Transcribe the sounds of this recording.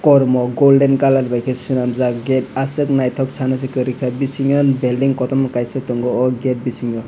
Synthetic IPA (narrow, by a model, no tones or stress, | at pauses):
kɔɾmɔɡolɖɛnkalaɾbajkʰɛsinamzaɡɛtasɯk̚najtʰɔksanas̬ikɯɾikʰabisiŋɔnbɛldiŋkɔtɔmɔkajsɯtɔŋɡɔɔɡɛt̚bisiŋɔ